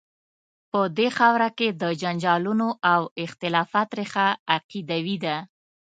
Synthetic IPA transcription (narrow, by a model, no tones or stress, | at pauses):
pəd̪exawɾaked̪əd͡ʒand͡ʒɑlunoʔawɪxt̪ɪlɑfat̪ɾexaːqid̪awid̪a